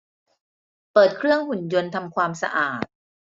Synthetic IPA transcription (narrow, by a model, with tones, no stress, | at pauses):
pɤː˨˩t̪̚kʰɾɯ˥˩əŋhu˨˩njo˧nt̪ʰa˧mkʰwaː˧msa̰˧ʔaː˨˩t̪̚